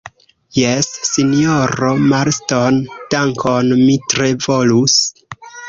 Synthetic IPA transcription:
jesːinoɾomaɾstond̥aŋkʰonmitɾe̞vo̞lus

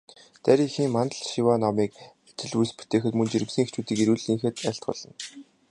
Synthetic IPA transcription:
t̪æɾʲixiːŋmant̪̆ɮʃiwanɔmiːkæt͡ɕɪ̆ɮuspu̥t̪ʰeːxɘ̆t̪mɵnt͡ɕiɾɘ̆msɘ̆ŋext͡ɕuːt̪iːkiɾuːɮiŋxeːt̪æɬt̪ɢɔ̰ɮɞ̆n

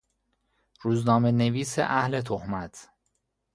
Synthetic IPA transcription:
ɾuːznɒːmeneviːsḛʔæhle̞t̪ʰohmæt̪ʰ

